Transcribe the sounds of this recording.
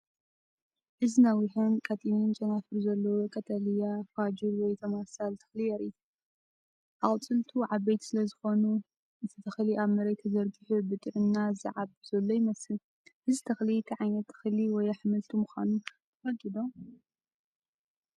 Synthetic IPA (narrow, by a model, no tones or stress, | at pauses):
ʔɨzinawihonkʰʼat̪ʼinint͡ʃʼɐnafɨɾuzɐlːɐwokʼɐt̪ʰɐlijafad͡ʒɨɾwɔjt̪ʰɐmasalt̪ʰɐ̥xlijɐɾit̪ | ʔaχʼt͡sʼɨlt̪ʰuʕaβbejt̪sɨlɐzɨxo̞nu | ɨt̪ʰɨt̪ʰɐxliʔaβmɐɾɐjt̪ʰɐzɐɾɡɨħubɨt̪ʼɨʕɨnːaza̰ʕabz̥ɐlːojimɐsɨl | hɨzt̪ʰɐxlit̪ʰiʕajnɐt̪ʰːɐ̥xliwɔjaħɨmɨlt̪ʰumɨxa̰nut̪ʰɐfɐɡid̪o